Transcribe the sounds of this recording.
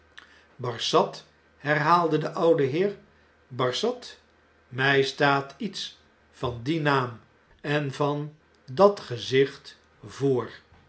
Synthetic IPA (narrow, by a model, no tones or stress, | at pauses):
bɑɹsɑt | hɛɹɦaːlˠdədəʔʌwdəɦɪːɹ | bɑɹsɑt | mɛjstaːtits | fɑndinaːm | ɛnvɑn | dɑtχəzɪχt | voːɹ